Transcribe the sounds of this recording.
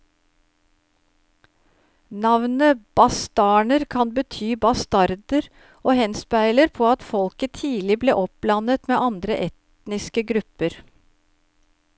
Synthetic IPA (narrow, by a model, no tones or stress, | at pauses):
nɑʋnəb̥ɑst̪ɑːɳəɾkʰɑnbət̪ʰyːbɑst̪ɑɾd̪əɾ | oːhɛnspæɪləɾpʰoːɑt̪fɔlkət̪ʰiːlɪbleːʔɔp̚blɑnət̪meːʔɑnd̪ɾəʔɛt̪ | nɪskəɡɾʉpəɾ